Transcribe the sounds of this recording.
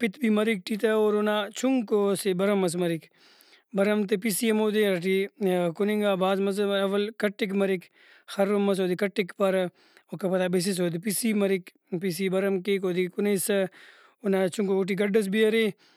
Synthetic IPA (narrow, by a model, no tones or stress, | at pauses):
pɪt̪bimɐɾik̚ʈit̪ɐoːɾonat͡ʃʰuŋɡkosebɐɾɐmːɐs̬mɐɾik | bɐɾɐmt̪episiɐmoːd̪iɐɾʈikʊniŋɡaːbaːzmɐs̬ɐʋɐlkɐʈːikmɐɾik | xɐɾomːɐs̬oːd̪ikɐʈːikpɐɾ | okɐpɐt̪abis̬is̬oːd̪ipisimɐɾik | pis̬ibɐɾɐmkek̬oːd̪ikʊnesɐ | onat͡ʃʰuŋkooʈ̬iɡɐɖɐs̬biɐɾi